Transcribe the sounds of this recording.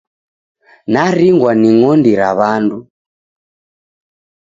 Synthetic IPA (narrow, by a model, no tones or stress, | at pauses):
naɾiŋɡwaniŋɔndiɾaβandu